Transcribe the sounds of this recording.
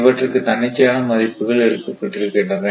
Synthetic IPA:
ʋɐʈːrɯkːɯt̪ɐnːɪt͡ʃːɐjaːnɐmɐðɐɪpːɯɣɐɭɛɾɯkːɐpːɐʈːɪɾɯkːɐɳɐʋe

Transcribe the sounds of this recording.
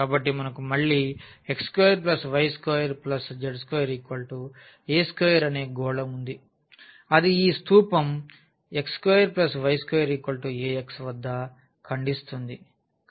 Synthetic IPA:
kaːbɐʈːimɐnɐkumɐɭːiːekskojɐɾplɐsʋɐjskɔːjɐɾplɐsd͡ʒɐɖskojɐɾikɐːɭʈu | eːskojɐɾɐne̞ːɡɔːɽɐmund̪i | ɐd̪iːst̪uːpɐm | ekskojɐɾplɐsʋɐjskoːjɐɾikɐːɭʈueːeksʋɐd̪ʱːɐ | kʰɐɳɖist̪und̪i

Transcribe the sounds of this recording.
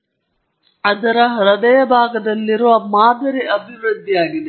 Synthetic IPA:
ɐd̪ɐɾɐɦɐɾɐd̪ɐjɐbʱaːɡɐd̪ɐlːiɾomaːd̪ɐɾiʔɐbʱiʋɾɨd̪ʱːijaːɡid̪e

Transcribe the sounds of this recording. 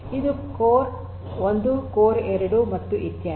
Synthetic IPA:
id̪ukoːɾ | ond̪ukoːɾɛɾɐɽumɐt̪ːuʔit̪jaː

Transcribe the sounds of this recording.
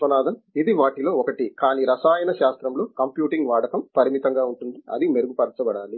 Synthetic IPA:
ʋɐnaːd̪ʱɐmid̪iʋaːʈilo̞ːɔkɐʈikaːniːɾɐsaːjɐnɐʃaːst̪ɾɐmlo̞ːkɐmpjuːʈiŋɡʋaːɽɐkɐmpɐɾimit̪ɐŋɡaːuɳʈund̪iɐ̰d̪imeɾuɡupɐɾɐt͡ʃɐbɐɽaːli

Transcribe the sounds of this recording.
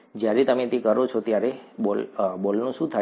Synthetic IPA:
d͡ʒjaɾet̪əmet̪ekəɾot͡ʃʰɔt̪jaɾebolbolnũʃũt̪ʰa

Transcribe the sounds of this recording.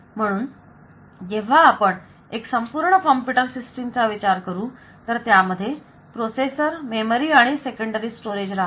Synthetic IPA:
m̤əɽ̃uːn | d͡ʑeʋ̤aːpəɳ | eksəmpuːɾɳəkəmpiʈəɾsisʈimt͡saʋit͡ɕaɾkəɾuː | t̪əɾt̪jaməd̪ʱːje | pɾosesəɾmeməɾiːaɽ̃isekəɳɖəɾiːsʈoɾed͡ʑɾaɦ

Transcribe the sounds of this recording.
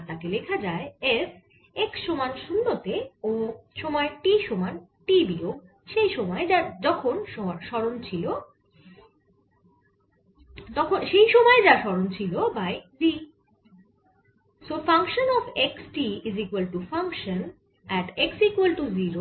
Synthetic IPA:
t̪akelekʰad͡ʑaeef | eksʃɔmanʃunːot̪eoʃɔmɔeʈiʃomanʈibioɡ | ʃejʃɔmɔed͡ʑad͡ʑɔkʰonʃɔʃɔɾont͡ɕʰilo | t̪ɔkʰonʃejʃɔmɔed͡ʑaʃɔɾont͡ɕʰilobajbi | sofaŋkʃonɔfeksʈiizikwelʈufaŋkʃon | ɛʈeksikwelʈuziɾo

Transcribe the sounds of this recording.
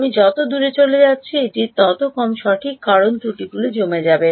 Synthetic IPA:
mid͡ʑɔt̪od̪uɾet͡ɕoled͡ʑatːɕʰieʈit̪ɔt̪okɔmʃɔʈʰikːaɾont̪uʈiɡulod͡ʑomed͡ʑabe

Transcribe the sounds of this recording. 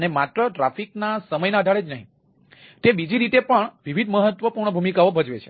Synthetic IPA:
ənemat̪ɾəʈɾafiknasəməjnaəd̪ʱaɭed͡ʒnəɦḭ̃ | t̪ebid͡ʒiɾit̪epəɳʋiʋʱid̪ʱməɦət̪ʋəpuɾɳəbʱumikaobʱəd͡ʒʋet͡ʃʰe̥

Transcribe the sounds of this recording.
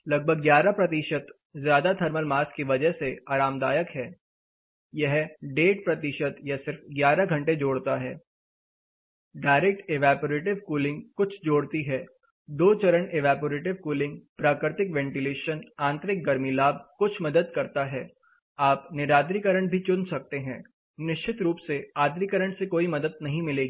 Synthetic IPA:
lɐɡ̚bʱəɡːjaːɾapɾɐt̪ɪʃət̪ | zjaːd̪at̪ʰɐɾməlmaːskiʋɐd͡ʒəɦseaːɾaːmd̪aːjəkɦɛː | jɐɦɖeːʈ̚pɾɐt̪ɪʃət̪jasɪɾfɡjaːɾaɡʱɐ̃ɳʈed͡ʒoːɽt̪aɦɛː | ɖaːɪɾek̚ʈeʋaːpoɾeːʈ̬ɪʋkuːlɪ̃ŋɡkʊt͡ʃʰd͡ʒoːɽt̪iɦɛː | d̪oːt͡ʃɐɾəneʋaːpoːɾeːʈ̬ɪʋkuːlɪ̃ŋɡpɾaːkɾɪt̪ɪkʋɛ̃ːɳʈɪleːʃənãːnt̪ɾɪk̚ɡɐɾmilaːb̚ʱkʊt͡ʃʰmɐd̪əd̪kɐɾt̪aɦɛː | aːpnɪɾaːd̪̬ɾikəɾəɳ̃bʱit͡ʃʊnsɐk̚t̪eɦɛ̃ː | nɪʃt͡ʃʰɪt̪ɾuːpseaːd̪ɾikəɾəɳ̃sekoːimɐd̪əd̪nɐɦĩmɪleːɡiː

